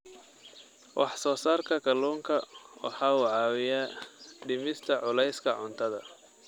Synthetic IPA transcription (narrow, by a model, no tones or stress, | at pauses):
wʔɑħsɔːsaːrkʰɐkʰɐluːŋkʰɐwʔɑ̰ħɑːuːʕɑːwɪjaːɖɪmɪst̪ʰɐʕʊlɛjskʰɐʕʊnt̪ʰɐðɐ